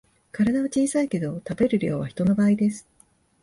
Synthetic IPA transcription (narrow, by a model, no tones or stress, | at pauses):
kaɾad̪aβat͡ɕiːsaike̞d̪o̞t̪abe̞ɾɯ̟ɾʲo̞ːβaçi̥t̪o̞no̞baːid̪e̞sɨ̥